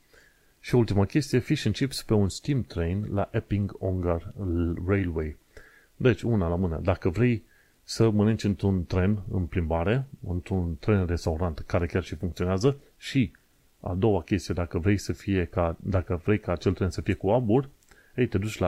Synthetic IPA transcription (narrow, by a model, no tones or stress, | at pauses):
ʃioult̪iməkʲe̞st̪ije̞fiʃɨnt͡ʃipspe̞unst̪imt̪ɾejnlaʔepiŋɡoŋɡarrejlwe̞j | d̪e̞t͡ʃʲunalamɨnḛd̪akəvɾe̞j | səmənɨnt͡ʃʲɨnt̪ɾunt̪ɾe̞nɨ̰mplimbaɾe̞ɨnt̪ɾunt̪ɾe̞nre̞st̪auɾant̪kaɾe̞kʲarʃifuŋkt̪ioneazə | ʃi | a̰d̪o̞wakʲe̞st̪ijed̪akəvɾe̞jsəfije̞kad̪akəvɾe̞jkaːt͡ʃe̞lt̪ɾe̞nsəfije̞kuaburʲ | ejt̪e̞d̪ut͡ʃʲla